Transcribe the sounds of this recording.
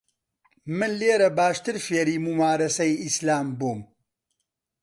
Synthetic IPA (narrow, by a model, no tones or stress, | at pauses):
mɨnleːɾɐbaːʃt̪ɨɾfeːɾiːmumaːɾɐsɐjislaːmbuːm